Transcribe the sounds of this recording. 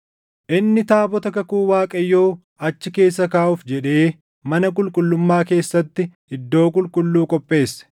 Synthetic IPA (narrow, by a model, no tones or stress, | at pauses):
ʔɪnːɪt̪aːbɔt̪ɐkɐkuːwaːkʼɐjːoː | ɐt͡ʃːɪke̞ːsːɐkaːʔʊfd͡ʒɛᶑe̞ː | mɐnɐkʼʊlkʼʊlːʊmːaːke̞ːsːɐt̪ːɪ | ɪd̪ːo̞ːkʼʊlkʼʊlːuːkʼɔpʼːe̞ːsːɛ̥